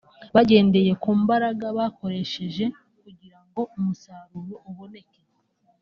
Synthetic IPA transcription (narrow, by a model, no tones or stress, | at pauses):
βaɟe̞ːnde̞je̞kuːmbaɾaɡaβako̞ɾe̞ʃe̞ʒe̞ | kuɟiɾaŋɡo̞umusaɾuɾoʔuβo̞ne̞ke